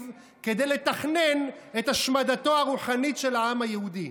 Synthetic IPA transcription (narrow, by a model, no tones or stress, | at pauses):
v | ke̞d̪ejle̞t̪aχne̞net̪haʃmad̪at̪o̞aʁuħanitʃe̞laamajehud̪i